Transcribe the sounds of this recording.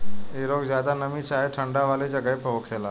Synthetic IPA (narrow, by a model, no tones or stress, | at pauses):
eɾoɡzjad̪anəmit͡ʃaɦeʈʰəɳɖaʋaːled͡ʒəɡəpəɦokʰela